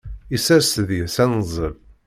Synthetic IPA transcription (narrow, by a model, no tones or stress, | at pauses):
isæɾsðjəsænəzˤəv